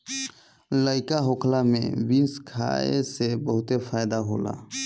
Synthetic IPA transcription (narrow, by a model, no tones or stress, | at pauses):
ləɪkaɦokʰlamḛ̃winskʰa̰ḛsebəɦʊt̪epʰajd̪aɦo̰la̰